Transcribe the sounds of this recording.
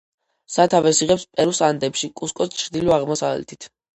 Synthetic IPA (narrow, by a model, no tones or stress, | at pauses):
sat̪ʰavɛsiʁɛpspʼɛɾusand̪ɛpʃikʼuskʼɔst͡ʃʰɾd̪ilɔaʁmɔsa̰vlɛ̰t̪ʰit̪ʰ